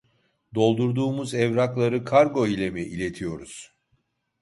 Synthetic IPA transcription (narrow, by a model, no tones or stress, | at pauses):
d̪o̞lˠd̪uɾd̪uːmuzɛvɾaklˠaɾɯkʰaɾɡo̞ilʲemiʔilʲe̞t̪ʰijo̞ɾuz̥